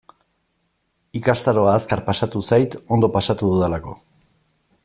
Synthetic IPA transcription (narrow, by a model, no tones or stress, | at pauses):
ikast̪aɾo̞aːskaɾpasat̪usajt̪o̞nd̪o̞pasat̪uðuðelako̞̰